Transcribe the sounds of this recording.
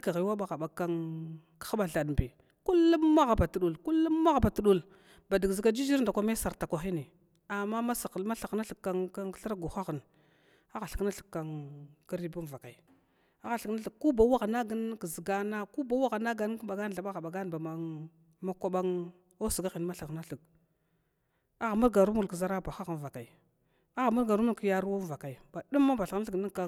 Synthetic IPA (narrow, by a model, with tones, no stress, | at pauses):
ka˨ɣi˨˦wa˦ɓa˨ɣa˨ɓa˨ka˦ŋ | kxa˦ɓa˨ɮa˨dmbi˨ | ku˦lːu˦mːa˦ɣa˨ba˨tu˨ɗu˨lku˦lːu˦ma˦ɣa˨ba˨tu˦ɗu˦˨l | ba˨di˨ɡzi˨ɡa˦d͡ʒi˦d͡ʒi˦ɾn˨da˨kʷa˦me˦sa˨ɾta˨kʷa˨xi˦ni˨ | a˨ma˦ma˦sa˨˦ma˦ɬa˨kna˦ɬə˨a˦ŋa˦ɬə˦ɾɡu˨xa˦ɣə˨n | a˦ɣa˨ɬə̥˨kna˦ɬə̥˨kːa˨nki˦ɾi˦bu˦m˨va˨ka˨j | a˦ɣa˨ɬkna˦ɬə˨k̚kːu˦ba˨˦wa˦ɣa˨na˦ɡə˦n˦kə˨zə˨ɡa˦na˦ku˦ba˨wa˦ɣa˨na˦ɡa˨n˦ka˨ɡa˦n˨ɮa˨ɓa˦ɣa˨ɓa˨ɡa˦n˨ba˨ma˦ | ma˦kʷa˦ɓa˦ŋ | o˦sə˨ɡa˦ɣi˨n˦ma˦ɬa˨xna˦ɬə˨k̚ | a˦ɣa˨mu˦ɾɡa˨ɾu˦mu˨kə˨za˦ɾa˦ba˨xa˦ɣə˨n˨va˨ka˨i˨ | a˦ɣa˨mu˦ɾɡa˨ɾu˦m˦u˦ki˨ja˦ɾu˦wa˦m˨va˨ka˨i˨ba˨ɗu˦mːa˦ba˨ɬa˨ɣɬki˦ka˦